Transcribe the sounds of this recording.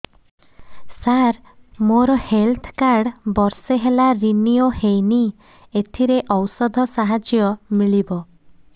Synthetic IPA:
saɾ | moɾɔhelt̪ʰkaɾɖbɔɾseɦelaɾiniohejni | et̪ʰiɾeʔɔwsɔd̪ʱɔsaɦad͡ʒjɔmiɭibɔ

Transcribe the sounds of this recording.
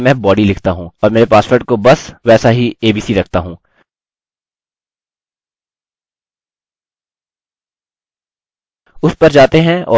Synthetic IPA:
mɛ̃bɔːɖilɪkʰt̪aɦũɔːɾmeːɾepaːspəɾʈ̚kobɐsʋɛːsaɦieːbiːsiɾɐk̚ʰt̪aɦũː | ʊspɐɾd͡ʒaːt̪eɦɛ̃ɔ̰ː

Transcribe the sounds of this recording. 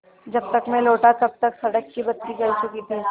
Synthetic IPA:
d͡ʒɐb̚t̪ɐkmẽloːʈat̪ɐb̚t̪ɐksɐɽəkːibɐt̪t̪ːiɡɐlt͡ʃʊkit̪ʰi

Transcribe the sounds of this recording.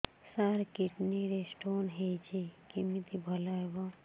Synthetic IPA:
saɾkiʈniɾesʈonɦet͡ʃʰekimit̪ibʱəlaɦebɔ

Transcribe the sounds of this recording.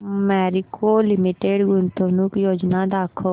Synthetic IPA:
mɛːɾɪkoːlɪmiʈeːɖɡʊnt̪oːnuːkjoːd͡ʒnaːd̪aːkʰoː

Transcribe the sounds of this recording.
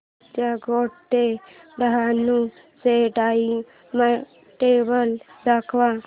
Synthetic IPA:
t̪jaɡoʈt̪eɖəɦanũ | seʈai | ma | ʈebəldakʰʋã

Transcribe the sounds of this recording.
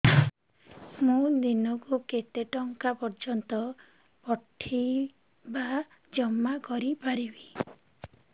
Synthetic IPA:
mũd̪inɔkuket̪eʈɔŋkapɔɾd͡ʒɔnt̪ɔ | pɔʈʰːi | ba | d͡ʒɔmːakɔɾipaɾibi̥

